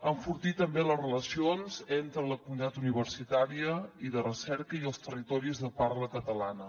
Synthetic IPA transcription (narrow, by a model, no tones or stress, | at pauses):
əɱfuɾt̪it̪əmbeləzrələsionzent̪ɾələkumunit̪at̪uniβ̞əɾsit̪aɾiəiðərəsɛɾkəiəlˠst̪ərit̪ɔɾizðəparləkət̪əlanə